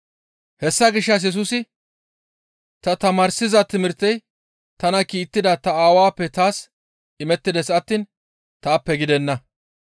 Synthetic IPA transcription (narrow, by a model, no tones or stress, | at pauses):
hɛsːɐɡɪʃːɐs̬jɛs̬uːsɪ | t̪ɐt̪ɐmaːɾsɪzɐt̪ɪmɪɾt̪ːɛj | t̪ɐnɐkiːt̪ːɪd̪ɐt̪ɐaːwaːpːɛt̪aːs | ɪmɛt̪ːɪd̪ɛsɐt̪ːiːn | t̪aːpːɛɡɪd̪ɛnːɐ